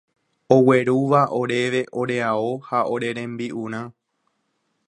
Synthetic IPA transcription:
o̞we̞ɾuʋaʔo̞ɾe̞ʋe̞ʔo̞ɾe̞aohaoɾe̞ɾẽ̞mbiʔuɾ̃ã

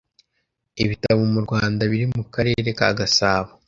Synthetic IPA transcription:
iβitaβomuɾɡwaːndaβiɾimukaɾe̞ːɾe̞ka̰ːɡasaːβa

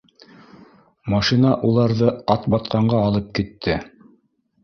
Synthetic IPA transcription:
mɑʃinɑʔulˠɑɾðɤɑt̪bɑt̪qɑɴɢɑːlˠɤp̚kit̪ʰːɘ

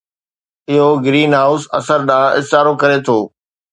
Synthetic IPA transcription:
ɪɦoɡɾiːnɦaːʊsɐ̰səɾɗãːɪ̰saːɾokɐɾet̪ʰoː

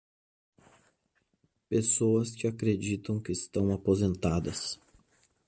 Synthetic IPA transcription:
pesoɐskɪakɾed͡ʒit̪ɐ̃w̃kɪːst̪ɐ̃w̃apozẽnt̪ad̪ɐs

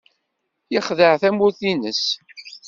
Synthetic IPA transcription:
jəχðəʕθæmuθinəs

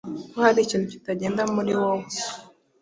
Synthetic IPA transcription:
kuhaɾit͡ʃinuci̥taɟendamuɾiwow

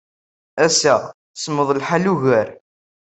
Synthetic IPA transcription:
æsæ | smːəðˤlħaluʝæɾ

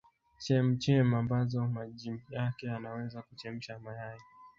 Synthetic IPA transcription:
t͡ʃɛm̩t͡ʃɛmambazɔmaʄimjakɛanawɛzakut͡ʃɛm̩ʃamajajɛ

